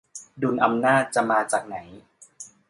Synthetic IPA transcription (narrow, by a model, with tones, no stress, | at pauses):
du˧nʔa˧mnaː˥˩t̪̚t͡ɕa˨˩maː˧t͡ɕaː˨˩k̚na˩˦j